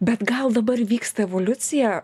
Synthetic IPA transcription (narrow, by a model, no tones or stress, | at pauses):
bʲɛt̪ɡɐlˠd̪ɐbɐɾʋʲiːkst̪ɐɛʋoːlʲʊt̪sʲɪjɛ